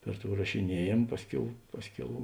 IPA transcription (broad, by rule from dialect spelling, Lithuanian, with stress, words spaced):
ˈpʲɛr ˌtoːʊ rɐʃʲɪˈnʲiɛjeːm ˈpɑːsʲˌkʲɛʊ ˈpɑːsʲˌkʲɛʊ